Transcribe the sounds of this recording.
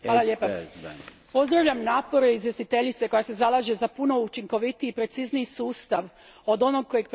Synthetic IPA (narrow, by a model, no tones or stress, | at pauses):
xaːlˠaʎeːpa | po̞zd̪ɾaʋʎamnaːpo̞ɾeizje̞st̪it̪e̞ʎit̪se̞ko̞jase̞zalˠaʒezapuno̞ut͡ʃiŋko̞ʋit̪iipɾe̞t̪sizniisuːst̪aʋ | o̞d̪o̞no̞ɡ̚ko̞jeɡ̚p